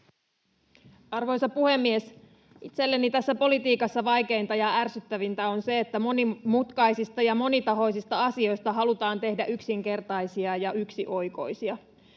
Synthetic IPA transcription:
ɑrʋo̞jsɑpuhe̞mːies | ʔit̪se̞lːenit̪æsːæpo̞lit̪iːkɑsːɑʋɑjke̞int̪ɑjɑærsyt̪ːæʋint̪æo̞nse̞ːt̪ːæmo̞nimut̪kɑjsist̪ɑjɑmo̞nit̪ɑɦo̞jsist̪ɑɑsio̞jst̪ɑɦɑlut̪ɑːnt̪e̞hdæʔyksiŋke̞rt̪ɑjsiɑjɑyksiʔo̞jko̞jsiɑ

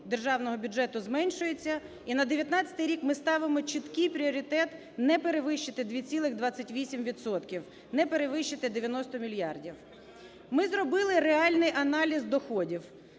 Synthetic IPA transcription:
d̪erʒɑwnɔɦɔbʲʊd͡ʒʒɛt̪ʊzmɛnʲʃʊjet͡sʲːɐ | inɐd̪eʋʲjɐt̪nɑt͡sʲɐt̪ɪjɾʲikmɪst̪ɑʋɪmɔt͡ʃɪt̪kɪjpɾʲiɔɾʲit̪ɛt̪ | nɛpeɾeʋɪʃt͡ʃɪt̪ɪd̪ʲʋʲit͡sʲilˠɪɣd̪ʋɑt͡sʲːɐtʲʋʲisʲimʋʲidt̪sɔt̪kʲiw | nɛpeɾeʋɪʃt͡ʃɪt̪ɪd̪eʋʲjɐnɔst̪ɔmʲilʲjɑrdʲiw | mɪzɾɔbɪlˠɪɾeɑlʲnɪjʔɐnɑlʲizd̪ɔxɔdʲiw

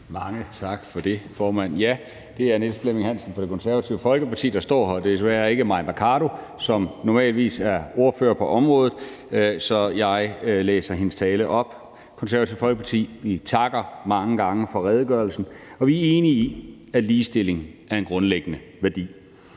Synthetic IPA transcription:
mɑ̈ŋət͡sʰɑ̈ɡ̥fɒ̽d̥e̝fɒːmæn̰jæ | d̥e̝æɐnesd̥fleme̝ŋɦæn̰sn̩fɒ̽ɾe̝kʰɔ̽nsæɐʋæt͡sʰiʊəfɒ̽lɡ̥əpɑ̈t͡sʰḭːd̥ɑ̈sd̥ɒ̰ːhɒd̥esʋæːɐe̝ɡ̥əmɑ̈ɪm̥ækʰɑɾo̝ | sɒ̽mnɒmɛ̰ːlʋḭːsæɐo̝ɐfø̰ːɐpʰɒ̽ʔɒ̽mʁɔ̽ːðˠð̩ˠ | sɒ̽jɑ̈ɪlḛːsɐɦe̝nəst͡sʰɛːləʔɒ̽b̥ | kʰɒnsæɐɐt͡sʰiʊfɒ̽lɡ̥əpʰɑ̈t͡sʰḭːʋit͡sʰɑ̈ɡ̥ɐmɑ̈ŋəɡ̥ɑ̈ŋəfɒ̽ʁɛð̞ˠɡ̥ɶɐlsn̩ɒ̽ʋiæɐe̝ːniː | æliːsd̥e̝le̝ŋ̩æɐe̝nɡ̥ʁɔ̽nleɡ̥ənə | ʋæɐd̥ḭː

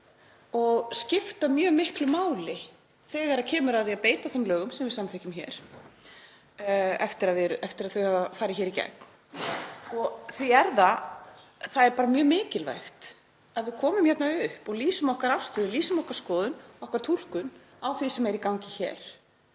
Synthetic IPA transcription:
ɔɣscɪft̪amjœːmɪhklʏmaːwlɪ | θɛːɣaɾaðcʰɛːmʏɾaððiapeːjt̪aθɛmlœːɣʏmsɛmvɪðsamθɛhcʏmçɛ̰ːɾ̥ | ɛ̰ft̪ɪɾaðvɪɾɛft̪ɪɾaðθœɥhavafaːɾɪçɛːɾicɛ̰k̚n | ɔɣθviɛɾða | θaðɛɾpaːɾamjœːmɪːcɪlva̰jxt̪ | aðvɪðkʰɔːmʏmçɛt̪naʏhpɔɣliːsʏmɔhkaɾafst̪ʏðʏliːsʏmɔhkaɾ̥skɔːðʏnɔhkaɾt̪ʰul̥kʏn | awθvisɛmɛɾikawŋcɪçɛ̰ːɾ̥

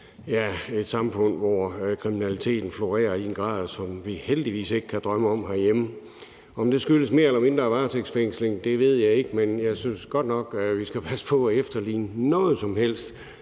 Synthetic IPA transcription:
jæe̝d̥sɑ̈mfɔ̽n̰̥ʋɒkʰʁiminælit͡sʰe̝̰ːd̥n̩flo̝ʁɛ̰ːɐienɡ̥ʁɑ̰̈ːð̞ˠsɒ̽mʋiheld̥iʋḭːse̝ɡ̥kʰæd̥ʁɶməɒ̽m̰ɦæɐjemə | ɒ̽md̥e̝sɡ̥yləsme̝ːɐelɐme̝nd̥ʁɐːʋɑ̈ːsʰeɡ̥sfeŋ̰sleŋd̥e̝ʋe̝ð̞̰ˠjɑ̈ɪe̝ɡ̥əmenjɑɪsynsɡ̥ɒ̽d̥̚nɒ̽ɡ̥ʋisɡ̥æpʰæsə̥pʰɒ̽æefd̥ɐlḭːnənɔ̽ːð̞̩ˠsɒ̽mhel̰sd̥

